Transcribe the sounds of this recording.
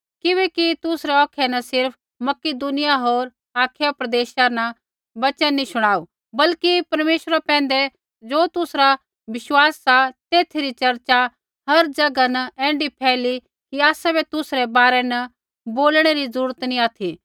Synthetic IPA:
kɪʋɛkit̪ʊsɾɛɔːkʰɛnɐsɪɾp̚ʰ | mɐkɪd̪ʊnɪjaɦoːɾ | aːkʰjapɾɐd̪eːʃanɐ | bɐt͡ʃɛ̃nĩsʊɽ̃aːu | bɐlkipɐɾmeːʃəɾapɛ̃ːn̆d̪ɛ | d͡ʒoːt̪ʊsɾa | ʋɪʃwaːsːat̪eːt̪ʰiɾit͡ʃɐɾt͡ʃa | ɦɐɾd͡ʒɐɡanɐʔɛ̃ːɳɖipʰɛːli | kiaːsabɛt̪ʊsɾɛbaːɾɛnɐ | boːlɽ̃eɾizɐɾuːɾət̪nĩaːt̪ʰi

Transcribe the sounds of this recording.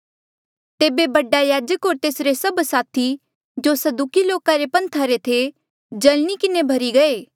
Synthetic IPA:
t̪eːbebɐɖajaːd͡ʒəkɦoːɾt̪eːsɾesɐbsaːt̪ʰi | d͡ʒosɐd̪ukiloːkaɾepɐ̃nt̪ʰaɾet̪ʰe | d͡ʒɐlñikɪnebʱɐɾiɡɐeː

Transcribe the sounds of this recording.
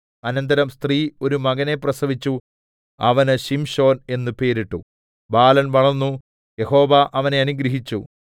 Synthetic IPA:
ɐnɐnd̪ɐɾɐmst̪riːo̞ɾumɐɣɐne̞prɐsɐʋit͡ɕːu | ɐ̰ʋɐnɨɕimɕo̞ːne̞nːɨpe̞ːɾiʈːu | baːlɐnʋɐɭɐnːu | je̞ho̞ːʋɐʔɐʋɐne̞ɐnuɡɾɐɦit͡ɕːu

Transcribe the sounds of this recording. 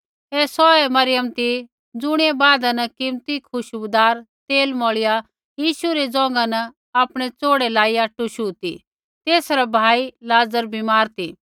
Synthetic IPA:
ɛːsɔɛmɐɾɪjəmt̪i | d͡zʊɽ̃ɛbaːd̪anɐkɪmt̪ikʰʊʃbʊd̪aːɾt̪eːlmɔːɭɪja | jiːʃuɾɛd͡zɔ̃ːŋ̆ɡanɐ | aːpɽ̃ɛt͡soːɽɛlaːiaːʈːuʃuːt̪ḭ | t̪eːsɾabʱaːilaːd͡zəɾbʱimaːɾt̪i

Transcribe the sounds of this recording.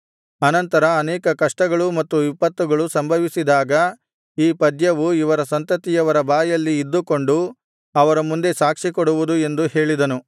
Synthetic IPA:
ɐnɐnt̪ɐɾɐːnɛːkɐkɐʂʈɐɡɐɭumɐt̪ːuipːɐt̪ːuɡɐɭusɐmbʱɐʋisid̪aːɡɐ | iːpɐd̪jɐʋuiʋɐɾɐsɐnt̪ɐt̪ijɐʋɐɾɐbaːjɐlːiːd̪ːuko̞ɳɖu | ɐʋɐɾɐmund̪e̞saːkʂikoɽuʋud̪ue̞nd̪uhe̞ːɭid̪ɐnu

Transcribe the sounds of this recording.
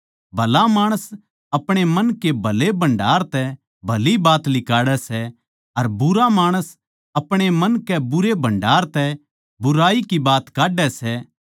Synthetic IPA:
bʱɐlamaːɽ̃əs | ɐpɽ̃emɐnkebʱɐlebɐ̃ɳɖaːɾt̪ɛ | bʱɐlibaːt̪lɪkaːɽɛsɛ | ɐɾbʊɾamaːɽ̃əs | ɐpɽ̃emɐ̃nkɛbʊɾebʱɐ̃ɳɖaːɾt̪ɛ | bʊɾaːikibaːt̪kaːɖɛsɛː

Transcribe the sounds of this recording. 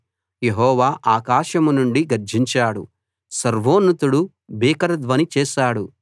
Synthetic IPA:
jeɦɔːʋaːʔaːkaːʃɐmunuɳɖiɡɐɾd͡ʒiɲt͡ʃaːɽṵ | sɐɾʋoːnːut̪uɽu | biːkɐɾɐd̪ʋɐnit͡ʃɛːʃaːɽu

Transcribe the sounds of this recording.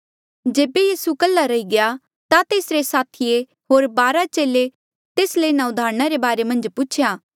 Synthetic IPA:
d͡ʒeːbejiːsukəlːaɾɐiɡɪja | t̪at̪eːsɾesaːt̪ʰije | ɦoːɾbaːɾat͡ʃeːle | t̪eːsleɪnãʊd̪ʱaːɾɽ̃aɾebaːɾemɐ̃nd͡ʒpʊt͡ʃʰjaː

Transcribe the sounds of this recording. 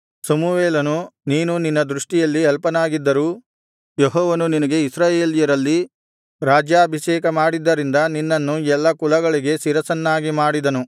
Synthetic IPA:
sɐmuʋeːlɐnuniːnuninːɐd̪ɾuʂʈijɐlːiɦɛlpɐnaːɡid̪ːɐɾuː | jeɦɔːʋɐnuninɐɡe̞isɾaːjeːlijɐɾɐlːi | ɾaːd͡ʒjaːɐbʱiʃɛːkɐmaːɽid̪ːɐɾind̪ɐninːɐnːuɛlːɐkulɐɡɐɭiɡe̞siɾɐsɐnːaːɡimaːɽid̪ɐnu

